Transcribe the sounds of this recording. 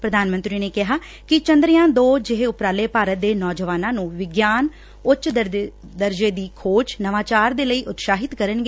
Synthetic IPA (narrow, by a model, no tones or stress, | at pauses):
pɾəd̪aːnmənt̪ɾiːneːkɪɦaː | kɪt͡ʃə̃nd̪ɾɪjãːd̪oːd͡ʒɪɦeʊpɾaːleːpaːɾət̪̚d̪eːnɔːd͡ʒəʋaːnãːnũːʋɪɡjaːn | ʊt͡ʃ̪ | d̪əɾd͡ʒeːd̪iːkʰoːt͡ʃnəʋaːt͡ʃaːɾd̪eːləiːʔʊt̪ʃaːɦɪt̪kəɾənɡeː